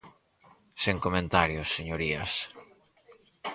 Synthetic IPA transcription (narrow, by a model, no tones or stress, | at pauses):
seŋkomẽnt̪aɾjosːeɲoɾiɐ̰s